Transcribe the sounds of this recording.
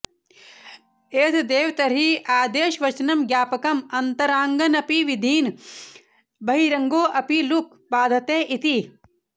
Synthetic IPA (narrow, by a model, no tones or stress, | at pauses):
eːt̪ʰd̪eːwt̪ɐɾiʔaːd̪eːʃʋɐt͡ʃnɐmɡjaːpɐkɐmɐnt̪ɐɾaːŋɡɐnɐpiʋid̪ʱiːn | bʱɐɦiɾɐŋɡoːʔɐpiluk | baːd̪ʱɐt̪eːʔit̪i